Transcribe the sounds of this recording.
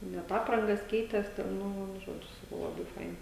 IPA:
nʲɛt ˈɑːprɐŋɡɐs ˈkʲɛɪtʲeːs tʲɛn ˈnʊ ˈʒoːd͡ʒʲʊ ˈsɑːkɐʊ ˈlˠɑːbɐɪ ˈfɐɪnɐ

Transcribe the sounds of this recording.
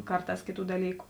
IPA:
ˈkɐrˌtɑːs ˈkʲeːˌtuː dɐˈlʲiːkʊ

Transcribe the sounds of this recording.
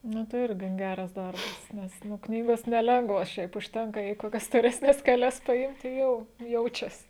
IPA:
ˈnʊ tɐɪ ˈɪr ɡɐn ˈɡʲæːrɐs ˈdɐrbɐs nʲɛs ˈnʊ ˈknʲiːɡoːs nʲɛˈlʲɛŋɡʋoːs ˈʃʲɛɪp ʊʃʲˈtʲɛŋkɐ jɛɪ koːˈkʲɛs stoːrʲɛsʲˈnʲɛs kʲɛˈlʲɛs pɐˈɪmʲtʲɪ ˈjɛʊ ˈjɛʊt͡ʃʲɛs

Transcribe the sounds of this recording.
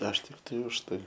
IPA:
ɐʃ ˈtʲɪktɐɪ ʊʃ ˈtɐɪ

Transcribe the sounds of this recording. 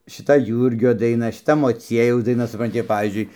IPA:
ʃʲɪˈtɐ ˈjuːrʲɡʲoː dɐɪˈnɐ ʃʲɪˈtɐ moːˈt͡sʲiɛjɛʊs dɐɪˈnɐ sʊprɐnʲˈtʲɪ ɪr pɐʋʲiːzʲd͡ʒʲʊɪ

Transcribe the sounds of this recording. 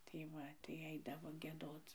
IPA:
tɐɪ ˈʋɐ tɐɪ ˈɐɪdɐʋoː ɡʲiɛˈdoːt͡s

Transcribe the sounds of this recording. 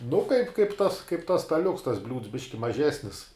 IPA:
nʊ kɐɪp kɐɪp tɐs kɐɪp tɐs stɐˈlʲʊks tɐs bʲlʲuːts ˈbʲɪʃʲkʲɪ mɐˈʒʲæːsʲnʲɪs

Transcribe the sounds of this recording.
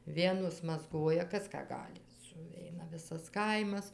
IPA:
ˈʋʲiɛnoːs mɐzˈɡoːjɛ ˈkɐs ˈkɑː ˈɡɑːlʲɪ sʊˈʋʲɛɪnɐ ˈʋʲɪsɐs ˈkɐɪmɐs

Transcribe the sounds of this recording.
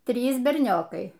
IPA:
ˈtʲrʲiːs bʲɛrʲˈnʲoːkɐɪ

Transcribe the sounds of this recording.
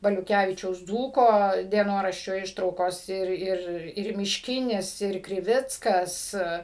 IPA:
bɐlʲʊˈkʲæʋʲɪt͡ʃʲɛʊs ˈd͡zuːkoː dʲiɛˈnoːrɐʃʲt͡ʃʲoː ˈɪʃtrɐʊkoːs ˈɪr ˈɪr ɪr mʲɪʃʲˈkʲɪnʲɪs ɪr krʲɪˈʋʲɪt͡skɐs

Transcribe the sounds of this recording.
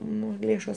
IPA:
ˈnʊ ˈlʲeːʃoːs

